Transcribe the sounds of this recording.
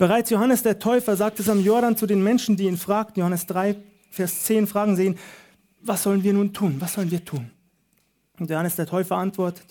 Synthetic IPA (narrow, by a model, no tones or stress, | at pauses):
b̥əʁaɪt͡sjohanəsd̥eːɐtʰɔʏfɐzaːk̚tɛsamjɔɐɾant͡sudeːnmɛnʃn̩diːiːnfʁ̥aːk̚tn̩johanəsd̥ʁaɪ | fɛːɐst͡seːnfʁ̥aːɡŋ̩zeːən | vasz̥ɔlənviːɐnuːntʰuːnvasz̥ɔlənviːɐtʰuːn | ntjohanəsd̥eːɐtʰɔʏfɐʔantv̥ɔɐtə̥t